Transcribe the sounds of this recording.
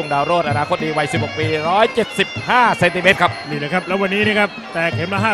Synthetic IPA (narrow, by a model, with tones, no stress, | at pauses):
u˥˩ŋdaː˧wɾoː˥˩t̪ʔa˧naː˧kʰo˦˥t̪̚diː˧wa˧jsi˨˩p̚ho˨˩k̚piː˧ɾɔː˦˥jt͡ɕe˨˩t̪̚si˨˩p̚haː˥˩se˧nt̪i˧meː˦˥t̪̚kʰa˦˥p̚niː˧˩ləː˧˩jkʰa˦˥p̚lɛː˦˥wa˧nːiː˦˥ni˥˨kʰa˦˥p̚t̪ɛː˨˩k̚ɦe˨˩˦nmaː˧ɦaː˥˩